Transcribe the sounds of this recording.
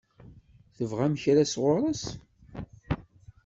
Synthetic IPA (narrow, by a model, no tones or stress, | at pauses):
θəvʁæmçɾæsʁʊɾˤɑs